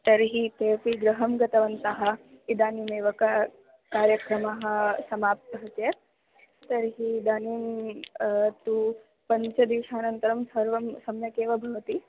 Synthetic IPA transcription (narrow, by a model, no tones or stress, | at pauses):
t̪ɐɾɦit̪eːpiɡɾɐɦɐmɡɐt̪ɐʋɐnt̪ɐɦɐ̆ | id̪aːnimeːʋɐkɐ | kaːɾjɐkɾɐmɐɦɐ̆sɐmaːp̚t̪ɐɦɐt̪jet̪̚ | t̪ɐɾɦid̪aːniːm | t̪u | pɐɲt͡ʃɐd̪iːʃaːnɐnt̪ɐɾɐmsɐɾʋɐmsɐmjɐkeːʋɐbʱɐʋɐt̪i